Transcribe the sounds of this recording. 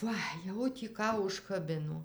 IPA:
ˈʋɐ jɛʊ tʲiː ˈkɑː ʊʃkɐˈbʲɪnoː

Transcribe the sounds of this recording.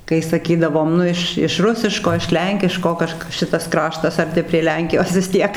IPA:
kɐɪ sɐˈkʲiːdɐʋoːm ˈnʊ ɪʃ ɪʃ ˈrʊsʲɪʃkoː ɪʃ ˈlʲɛŋʲkʲɪʃkoː ˈkɐʃk ˈʃʲɪtɐs ˈkrɑːʃtɐs ɐrʲˈtʲɪ pʲrʲiɛ ˈlʲɛŋʲkʲɪjoːs ʋʲɪs ˈtʲiɛk

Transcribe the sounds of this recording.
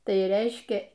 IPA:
ˈtɐɪ ˈrʲɛɪʃʲkʲɛ

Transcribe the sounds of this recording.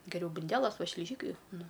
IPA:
ɡʲɛˈrʲɛʊ bʊnʲˈdʲæːlˠɐs ˈʋɐ ʃʲlʲɪˈʒʲiːkɐɪ ˈnʊ

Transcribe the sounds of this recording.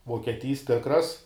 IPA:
ʋoːkʲiɛˈtʲiːs ˈtʲɪkrɐs

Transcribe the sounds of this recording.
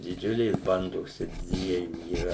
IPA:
dʲɪˈd͡ʒʲʊlʲeːs ˈbɐndoːs t͡ʃʲɛ ˈdʲʋʲiɛjuː iːˈrɐ

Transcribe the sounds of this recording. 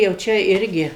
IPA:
jɛʊ ˈt͡ʃʲɛ ˈɪrʲɡʲɪ

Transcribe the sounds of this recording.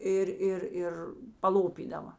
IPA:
ˈɪr ˈɪr ˈɪr pɐˈlˠoːpʲiːdɐʋɐ

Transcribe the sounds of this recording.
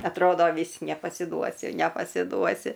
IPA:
ɐtˈroːdoː ˈʋʲiːs nʲɛpɐsʲɪˈduɔsʲɪ nʲɛpɐsʲɪˈduɔsʲɪ

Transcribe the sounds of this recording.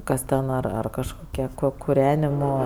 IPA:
ˈkɐs tʲɛn ˈɐr ɐr kɐʃˈkoːkʲiɛ koː kʊˈrʲæːnʲɪmoː

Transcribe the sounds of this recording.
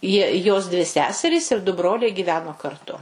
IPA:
ˈjiɛ ˈjoːs ˈdʲʋʲɪ ˈsʲæːsʲɛrʲiːs ɪr dʊ ˈbroːlʲɛɪ ɡʲiːˈʋʲæːnoː kɐrˈtʊ

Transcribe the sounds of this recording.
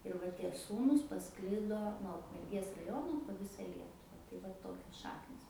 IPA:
ɪr ˈʋɐ ˈtʲiɛ ˈsuːnuːs pɐˈsklʲɪdoː nuɔ ʊkmʲɛrʲˈɡʲeːs rɐˈjoːnoː poː ˈʋʲɪsɐ ˈlʲiɛtʊʋɐ tɐɪ ˈʋɐ ˈtoːkʲoːs ˈʃɑːknʲɪs

